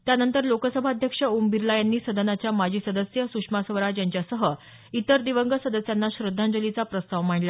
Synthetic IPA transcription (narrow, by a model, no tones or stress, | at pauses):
t̪janənt̪əɾlokəsəbʱaəd̪ʱjəkʂəumbiɾlajanːiːsəd̪ənat͡ɕjamad͡ʑʱiːsəd̪əsjəsukʂmasəʋɾajaɲt͡ɕjasəɦə | it̪əɾd̪iʋəŋɡəsəd̪əsjanːaɕɾəd̪ʱːãnd͡zəlit͡sapɾəst̪aʋm̤aɳla